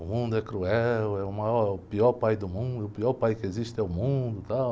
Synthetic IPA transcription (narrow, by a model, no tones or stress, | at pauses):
ʊmũnd̪ʊɛkɾuɛwɛʊmaɔɾʊpiɔɾpajd̪ʊmũnd̪ʊʊpiɔɾpajkɪeziʃt̪ɛʊmũd̪ʊt̪aw